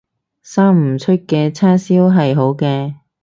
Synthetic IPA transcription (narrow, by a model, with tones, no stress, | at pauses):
saː˥ŋm̩˨˩t͡ʃʰɵ˥t̚kɛː˧t͡sʰaː˥siː˥wɦɐ˨jɦo˨˥wkɛː˧